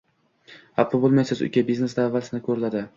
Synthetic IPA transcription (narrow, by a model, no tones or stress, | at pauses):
hapːobolˠmajsɪzʊ̰kʲʰabizne̞sd̪aːvːalsɪnɪkʰɵɾɪlad̪ɪ